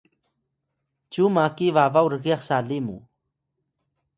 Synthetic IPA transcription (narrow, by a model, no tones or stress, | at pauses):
t͡ʃumakivavawɾəɣjɑχsalɪmʊ̰